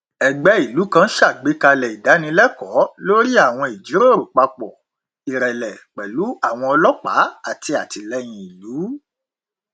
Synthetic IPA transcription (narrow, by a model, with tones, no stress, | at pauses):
ɛ˨ɡ͡bɛ˨˦i˨lu˨˦kã˦ʃa˦˨ɡ͡be˨˦ka˧lɛ˨i˨da˨˦nĩ˧lɛ˦kɔ˨˦lo˦ɾi˦a˦˨w̃ɔ̃˧i˨d͡ʒi˨˦ɾo˦˨ɾo˨k͡pa˧k͡pɔ˨ | i˨ɾɛ˨lɛ˨k͡pɛ˨lu˨˦a˦˨w̃ɔ̃˧ɔ˧lɔ˦k͡pa̰˨˦a˦˨ti˧a˨ti˨lɛ˦j̃ĩ˧i˨luː˨˦